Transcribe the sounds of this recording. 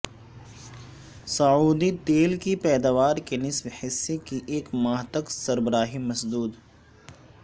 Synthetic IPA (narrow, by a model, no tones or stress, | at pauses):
sɐuːd̪it̪eːlkipɛːd̪aʋaːɾkenɪswhɪsːekiʔeːkmaːɦt̪əksɐɾbəɾaːɦimɐsd̪uːd̪